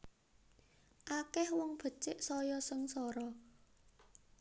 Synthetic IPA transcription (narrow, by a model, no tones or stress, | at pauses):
ʔakɛhwɔŋb̥ə̤t͡ʃɪʔsɔjɔsəŋsɔɾɔ